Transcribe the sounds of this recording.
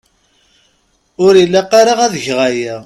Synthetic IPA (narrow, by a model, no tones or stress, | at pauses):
ʊɾilːæqːaɾaʁæðəçʁæjæ